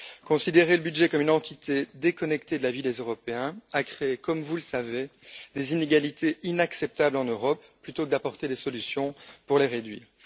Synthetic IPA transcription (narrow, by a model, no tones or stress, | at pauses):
kɔ̃sid̪eʁeləbydʒɛkɔmynɑ̃t̪it̪ʰed̪ekɔnɛkt̪ed̪əlavid̪ezøʁɔpeɛ̃akχeekɔmvuləsaved̪ezineɡalit̪ʰeinaksɛp̚t̪ablɑ̃nøʁɔpːlyt̪okəd̪apɔʁt̪ed̪esɔlysjɔ̃puʁleʁed̪ɥḭːʁ